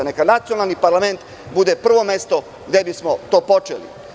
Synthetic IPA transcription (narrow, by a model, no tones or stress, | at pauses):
anekanat̪sijo̞nalˠnipaɾlame̞nt̪ | bud̪e̞pr̩ʋo̞me̞st̪o̞ | ɡd̪e̞bismo̞t̪o̞ːpo̞t͡ʃḛlḭ